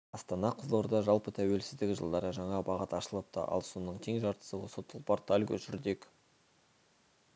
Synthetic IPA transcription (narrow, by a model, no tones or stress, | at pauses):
ɑst̪ɑnɑqʰəzd̪ˠoɾd̪ɑʒɑlˠpət̪ʰæwe̞lsɪzd̪ɪkʲʒə̰lˠd̪ɑɾəʒɑɴɑbɑʁət̪ɑʃəlˠəp̚t̪ɑ̰ʔɑ̰lˠso̞nəɴt̪ʲʰeŋʒɑɾt̪ə̥səwosət̪ʰəlˠport̪ʰalʲkʲʰɵʃʏɾd̪e̞k